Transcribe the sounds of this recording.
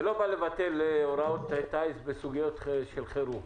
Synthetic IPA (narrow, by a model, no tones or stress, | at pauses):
lo̞balevat̪eleoɾaot̪et̪ajsbesuɡijo̞t̪ʃelχeɾu